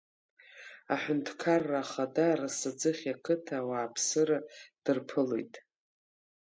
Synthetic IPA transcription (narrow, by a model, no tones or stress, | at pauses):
aħʷᶣʊntʰkʰarːaːχadarasad͡zɨχʲakʰɨtʰawaːpʰsɨɾad̥ɨrpʰɨlḛjtʼ